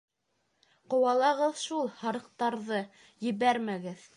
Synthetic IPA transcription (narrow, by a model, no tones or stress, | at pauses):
qŏwɑlˠɑʁɤðʃulˠhɑɾɤ̆q̚t̪ɑɾðɤ | jɘ̆βæɾmæɡɘð